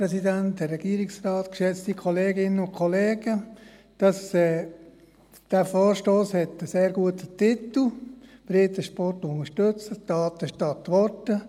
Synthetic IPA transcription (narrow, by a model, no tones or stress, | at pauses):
ɾɛsidæntərːɛɡ̥iːɾɪksrɑːt̪kʃɛt͡st̪ikʰɔleːɡɪnəʊnkʰɔleːɡə | d̥ɑsɛː | d̥æfɔːɾʃtoːshɛt̪əseːɾɡuətətɪt̪l̩b̥ɾɪt̪əʃpɔrtʊnəʃtʉt͡səd̥ɑːt̪əʃtɑtʋɔtə